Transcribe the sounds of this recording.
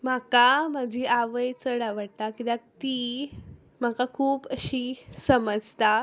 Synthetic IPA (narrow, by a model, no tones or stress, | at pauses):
m̤akam̤ad͡ʑʱiːaʋəjt͡səɽaʋəɽt̪akit̪ãt̪iː | m̤akakʰuːpəɕiːsəməd͡zʱt̪a